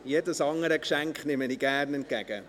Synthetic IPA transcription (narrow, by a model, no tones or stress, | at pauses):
jeːdəsɑŋəɾəkʃæŋkχnɪməniɡ̥æɾnɛnt̚kæɡ̥ə